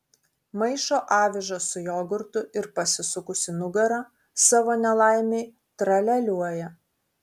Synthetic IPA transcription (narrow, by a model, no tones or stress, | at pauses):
mɐɪʃoːʔɑːʋʲɪʒɐsʊjoːɡʊɾt̪ʊɪɾpɐsʲɪsʊkʊsʲɪnʊɡɐɾɐ | sɑːʋoːnʲɛlˠɑˑɪmʲeɪ | t̪ɾɐlʲɛlʲuɔjɛ